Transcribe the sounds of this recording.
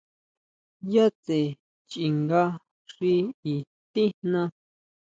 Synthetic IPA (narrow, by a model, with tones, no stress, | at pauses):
ja˦t͡se˨ | t͡ʃi˨ŋɡa˧ | ʂi˧i˨ | t̪ĩ˦n̥nã˧